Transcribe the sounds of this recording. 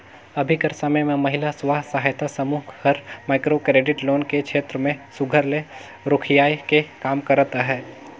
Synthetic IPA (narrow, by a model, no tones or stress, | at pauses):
ɐbʱikəɾsəməjmẽmɐɦɪlasʋaːɦsəɦaːjt̪asəmuːkʰhəɾmaːɪkɾokɾeːɖɪʈloːnkekʃʰeːt̪ɾəmẽsʊɡʱəɾle | ɾʊkʰɪjaːjkekaːmkəɾət̪aɦɛː